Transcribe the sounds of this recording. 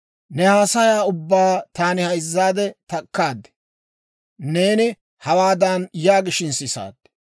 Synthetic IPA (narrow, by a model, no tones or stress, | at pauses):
nɛhaːsɐjaːʊbːaːt̪aːnɪhɐjzːaːd̪ɛt̪ɐkːaːd̪ɛ̥ | ne̞ːnɪ | hɐwaːd̪ɐnjaːɡɪʃɪnsɪsa̰ːd̪̥ː